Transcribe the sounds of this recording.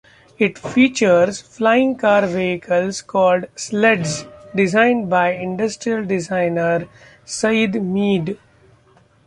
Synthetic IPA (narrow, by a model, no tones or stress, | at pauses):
ɪʈfiːt͡ʃəɾzflaɪɪ̃ŋɡkaːɾʋeːɦɪkʰəlskɔːlɖsleɖzɖɪzãɪ̃nɖbaɪɪ̃ɳɖəsʈɾiəlɖɪzãɪnəɾ | səɪd̪miːɖ